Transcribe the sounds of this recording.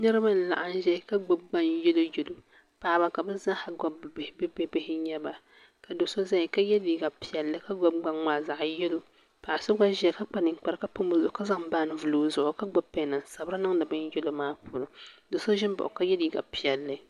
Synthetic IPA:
nɨ˦ɾɨ˦ba˦n̩˦˨la̰˨ʔa˨n˦ʒɛ˦ka˦ɡ͡bɔ˨b̚ɡ͡ba˦˨njɛ˦lo˦jɛ˨lo˨ | pa˨ba˦ka˨bɨ˦za˦ha˨ɡɔ˦bbbɨ˦be˦bɪ˦hɪ˦ɲɛ˦ba˨ | ka˨do˨so˦za˦˨ka˦jɛ˦li˨˦ɡa˨pi˨jɛ˨lːɨ˦ka˦ɡɔ˦b̚ɡ͡ba˨ŋːaː˨za˨ʔjɛ˦lo˦ | pa˨ʔa˨so˦ɡa˦ʒɛ˨ka˦k͡pa˦nɨ˨˦k͡pa˨ɾka˦pʊ˦mbʊ˦zʊ˨˦ka˦za˦ŋbaː˦˨nɨ˨vu˨loː˨zʊ˨ʔʊ˨ka˦ɡ͡bɔ˦pɛ˦˨nɨ˨nsa˨bɾɨ˦nɨ˦ŋdɨ˨bɨ˦n˦jɛ˦lo˦maː˦puː˨lʊ˨do˨so˦ʒɪ˦n˦bʊ̰˨ʔʊ˨ka˦jɛ˦li˦ɡa̰˨pi˨ɛ˨lːɨ˦

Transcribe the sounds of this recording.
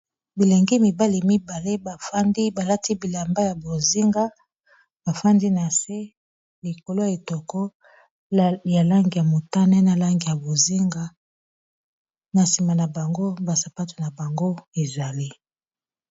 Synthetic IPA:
bi˨le˨ŋɡi˦mi˨ba˦li˨mi˦ba˨le˦ba˨fa˦ndi˦ba˨la˦ti˦bi˨la˨mba˦ja˨bo˨zi˦ŋɡa˦ | b̥a˨fa˦ndi˦na˨se˦ | li˨ko˨lo˦ja˨i˨tɔ˨kɔ˦ | ja˨la˦ŋɡi˨ja˨mo˨ta˦nɛ˦na˨la˦ŋɡi˨ja˨bo˨zi˦ŋɡa˦ | na˨si˨ma˨na˨ba˨ŋɡo˦ba˨sa˨pa˦tu˨na˨ba˨ŋɡo˦e˨za˨li˦

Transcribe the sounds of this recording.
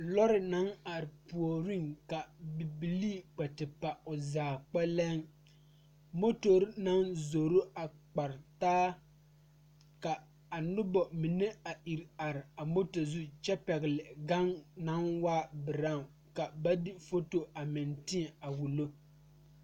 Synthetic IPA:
lɔ˦ɾɪ˨na˨˦na˨ɾɪ˨pu˨o˨ɾi˦ŋka˨bi˨bi˨liː˦˨k͡pɛ˨tɪ˨pa˨ʊ˨zaː˨k͡pɛ˦lɛ˦ŋ | mo˦to˨ɾna˦nzo˨ɾo˦a˨k͡pa˨ɾtaː˦ | ka˨ | a˨nʊ˦bɔ˨mi˨ne˦a˨ʔi˨ɾa˨ɾɪ˨a˨mo˦to˨zu˦t͡ʃɛ˦pɛ˨ɣɪ˨lɪ˨ɡa˦ŋna˨˦nwaː˦bɪ˨ɾa˦˨ | ka˨ba˦dɪ˦fo˦to˨a˨mɪ˨ntɪ˦ɛ˨a˨wu˨lo˦

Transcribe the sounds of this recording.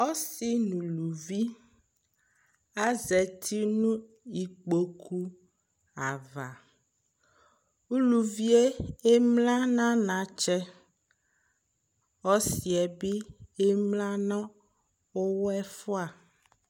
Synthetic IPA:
ɔ˦si˦nũ˨lu˨vi˦ | a˦zɛ˨t̪ʰi˦nũ˦ | i˨k͡po˨kʰu˦ | a˨va˨ | u˦lu˨vi˦e˦e˦mlã˦nã˦nã˨t͡ʃɛ˦ | ɔ˦si˨ɛ˨bi˦e˦mlã˦nã˦ | o˦wɔ˦ɛ˦fɔ˦a˨

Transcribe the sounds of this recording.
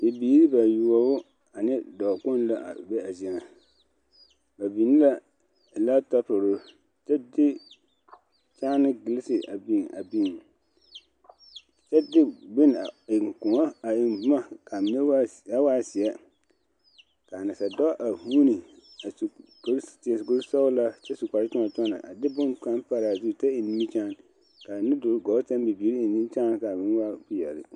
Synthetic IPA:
dɪ˨biː˨˦ɾi˦ba˨ju˨ɔ˨bʊ˦ | a˨nɪ˦dɔː˨kʊ˦nla˦ʔa̰˨be˦a˨zi˨na˨ | ba˨biː˨nɪ˦la˦˨ | la˦ta˦tʊ˨ɾʊ˦ | t͡ʃɛ˦dɪ˦ | t͡ʃaː˦nɪ˦ɡɪ˨lɪ˦sɪ˨ʔa˨biː˦˨ŋa̰˨bi˦˨ŋ | t͡ʃɛ˦dɪ˦bɪ˦n˨ɪ˨ŋ˨kʊ̃˨ŋa˦a˨ɪ˨mbʊ˨ma˦ka˨mɪ˨ne˦wja˦waː˦sɪ˨ɛ˦ | ka˨na˨sa˨dɔ˦ʔa˨huː˦ni˨ | a˨skɾtɪ˨sko˦ɾsɔ˦la˦t͡ʃɛ˦su˨kʷa˨ɾɪ˦tʊ˦a˨t͡ʃɔ˦na̰˨ʔa̰˨dɪ˦bʊ̃˦ka˨˦n˦pa˦ɾa˨zu˦˨t͡ʃɛ˦ɪ˨ni˦mi˦t͡ʃaː˦n | ka˨nɪ˦dʊ˨ɾɡɔː˨˦ta˦n˦bi˨bi˨˦ɾi˦ɪ˨nĩ˦n˦t͡ʃaː˦n˨ka˨mɪ̃˨n˦wa˦ku˦jɛ˨ɾɪ̰˦

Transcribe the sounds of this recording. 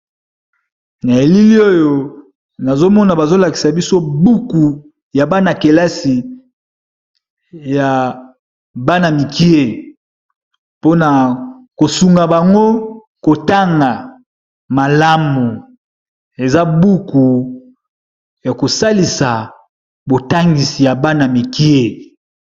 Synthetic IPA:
na˨e˨li˦li˦o˦jo˨ | na˨zo˦mɔ˦na˨ba˨zo˦la˨ki̥˨sa˨bi˦so˦bu˦ku˨ | ja˨ba˦na˨ke˨la˦si˨ | ja˨ | ba˦na˨mi˨ki˦e˦ | po˦na˨ko˨su˨ŋɡa˨ba˨ŋɡo˦ | ko˨ta˦ŋɡa˨ | ma˨la˦mu˨ | e˨za˦bu˦ku˨ | ja˨ko˨sa˦li˨sa˨ | bo˨ta˦ŋɡi˨si˨ja˨ba˦na˨mi˨ki˦e˦

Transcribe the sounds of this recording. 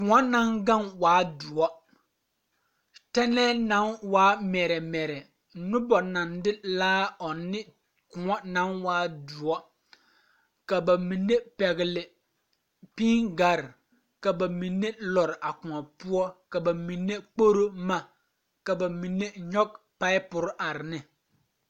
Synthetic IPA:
kʊ̃˨ŋɔ˦na˦ŋɡa˦nwaː˨˦du˨ɔ˦ | tɛ˦nɛː˦na˨˦nwaː˦mɛ˨ɾɛ˨mɛ˨ɾɛ˨ | nʊ˦bɔ˨na˨ndɪ˦laː˦ɔ˨nːɪ˦ | kʊ˨ŋɔ˦na˨˦nwaː˦du˨ɔ˦ | ka˨ba˨mi˨nːe˦pɛ˨ɣɪ˨lɪ˨ | piː˦ŋɡa˨ɾ | ka˨ba˨mi˨nːe˦lɔ˨ɾɪ˨ʔa˨kʊ̃˨ŋɔ˨pu˦ɔ˦ka˨ba˨mi˨nːe˦k͡po˦ɾo˦ma˦ | ka˨ba˨mi˨nːe˦ɲɔ˦k̚ | pa˦ɪ˦pʊ˨ɾʔa˨ɾɪ˨nɪ˦

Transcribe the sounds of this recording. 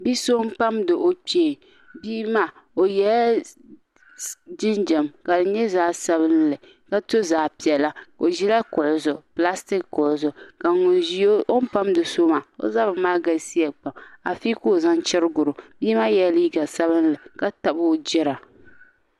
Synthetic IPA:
bi˦so˦m˦pa˦mdɨ˨ʔo˦k͡peː˦˨ | biː˦ma˦ | o˨jɛ˨la˦ | d͡ʒɪ˦nd͡ʒɛ˨mka˨dɨ˨ɲɛ˦zaː˦sa˦βɨ˦nlɨ˨ | ka˦to˦zaː˨pi˨ɛ˨la˦ko˨ʒi˦la˦kʊ˨ʔʊ˨zʊ˨pla˦stɪ˦kkʊ˨ʔʊ˨zʊ˨ka˨ŋʊ˨nʒi˦o˦ʔo˦n̩˦pa˦mdɨ˨so˦ma˨o̰˦za˦bɨ˨maː˦ɡa˨si˦ɛ˨k͡pa˨ma˨fi˦ko˦˨za˦nt͡ʃɪ˦ɾɨ˦ɡʊ˨ɾʊ˨biː˦ma˦jɛ˨˦liː˦ɡa˨sa˦βɨ˦n˦lɨ˨ka˦ta˨bʊ˦d͡ʒɛ˦ɾa˨

